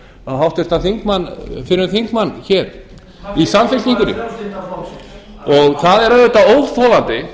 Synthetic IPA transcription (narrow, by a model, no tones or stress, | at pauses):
aɦawht̪ɪst̪aθiŋkmanːfɪɾʏnθiŋkmanːçɛɾ̥ | isamfɪsiŋkʏnʏ̰m | ɔɣθaðɛɾœðʏt̪aoːwðθowlant̪ɪ